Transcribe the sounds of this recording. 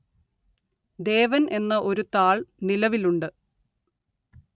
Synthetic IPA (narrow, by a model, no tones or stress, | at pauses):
d̪e̞ːʋɐnʔe̞nːɐʔo̞ɾut̪aːɭnilɐʋiluɳɖɨ